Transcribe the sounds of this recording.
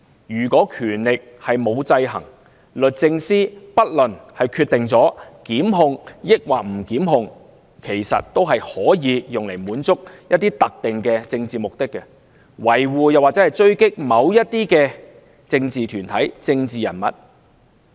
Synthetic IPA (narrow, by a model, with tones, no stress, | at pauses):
jyː˨˩kʷɔː˨˥kʰyː˨˩nlɪ˨k̚hɐ˨jmo˨˧wt͡sɐ˧jɦɐ̰˨˩ŋ | lɵ˨t̚t͡sɪ˧ŋsiː˥pɐ˥t̚lɵ˨˩nhɐ˨jkʰyː˧t̪ːɪ˨ŋt͡sɔː˨˥kiː˨˥mɦʊ˧ŋjɪ˥k̚wa̰ː˨˩m̩˨˩kiː˨˥mɦʊ˧ŋ | kʰe˨˩jsɐ̰˨t̚t̪o˥wɦɐ˨jhɔː˨˥jiː˨˧jʊ˨ŋle˨˩jmuː˨˥nt͡sʊ˥k̚jɐ˥t̪̚ːiː˥t̪ɐ˨k̚t̪ɪ˨˩ŋkɛː˧t͡sɪ˧ŋt͡siː˨mʊ˨k̚t̪ɪ˥kːɛ˧ | wɐ˨˩jwuː˨˩jɐ˨waː˨k̚t͡sɛː˨˥hɐ˨˩jt͡ʃɵ˥ɥkɪ˥k̚mɐ˨˧wjɐ˥t̚t̪iː˥kɛː˧ | t͡sɪ˧ŋt͡siː˨t̪ʰyː˨˩nt̪ʰɐ˨˥jt͡sɪ˧ŋt͡siː˨jɐ̰˨˩nmɐ̰˨t̚